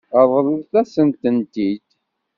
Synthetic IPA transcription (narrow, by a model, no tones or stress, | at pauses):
əðˤəliðθæsənt̪ənt̪id̪